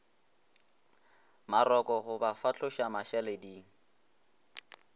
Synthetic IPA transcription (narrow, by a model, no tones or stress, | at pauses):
maɾɔkɔɣʊbafat͡ɬʰʊʃamaʃɛlediːŋ̩